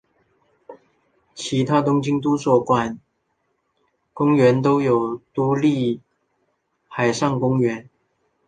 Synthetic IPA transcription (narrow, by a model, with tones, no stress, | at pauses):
t͡ɕʰi˧˥t̪ʰa˥t̪ʊ˥ŋt͡ɕi˥ŋt̪u˥swɔ˥˩kwa˥˩n | kʊ˥ŋɥɛ˧˥nt̪̬o˥ʊjo˨˩ʊt̪u˧˥li˥˩ | xa˨˩ɪʂɑ˥˩ŋkʊ˥ŋɥɛ˧˥n